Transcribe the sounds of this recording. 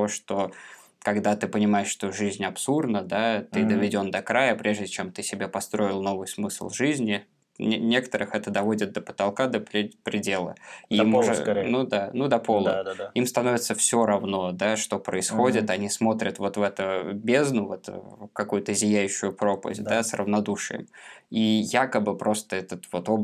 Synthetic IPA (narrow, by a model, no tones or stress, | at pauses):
oʂt̪o̞ | kɐɡd̪at̪ɨpənʲɪmajɪʂʂt̪o̞ʐɨzʲnʲɐpsurd̪nəd̪at̪ɨd̪əvʲɪdʲo̞nd̪ɐkɾajəpɾʲe̞ʐdʲɪt͡ɕemt̪ɨsʲɪbʲepɐst̪ɾo̞ɪlˠno̞vɨjsmɨslˠʐɨzʲnʲɪ | nʲe̞kə̥t̪əɾʔɨxɛt̪əd̪ɐvo̞dʲɪt̪̚d̪əpə̥t̪ɐlˠkad̪əpɾʲɪpɾʲɪdʲe̞lˠə̰imnud̪anud̪ɐpo̞lˠə̰imst̪ɐno̞vʲɪt̪səfsʲo̞ɾɐvno̞d̪aʂt̪o̞pɾəɪsxo̞dʲɪt̪ɐnʲismo̞t̪ɾʲət̪vo̞t̪vɛt̪ʊbʲeznʊvɛt̪kɐkujʊt̪əzʲɪjæjʉɕːʊjʊpɾo̞pə̰vʲt̚ʲd̪asrə̰vnɐd̪uʂɨ̰jə̰mijakəbɨpɾo̞st̪əɛt̪ət̪vo̞t̪ob